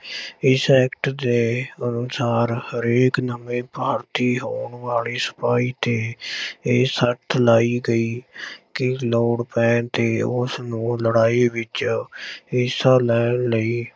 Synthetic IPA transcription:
ɪsɛːkʈd̪eːənʊsaːɾhəɾeːknəmẽːpaːɾt̪iːɦoːɳʋaːliːsə̥paːiːt̪eːeːsət̪ʰlaːiːɡəiːkɪloːɽpɛ̃ːt̪eːʊsnũːləɽaːeːʋɪt͡ʃ | ɪsalɛːnləiː

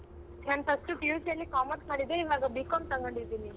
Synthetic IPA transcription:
t̪ʰjant̪ɐsʈupjusjɐlːikaːmɐʈmaːɽid̪eiʋaːɡabikoɳt̪ɐŋɡɐɳɖid̪ini

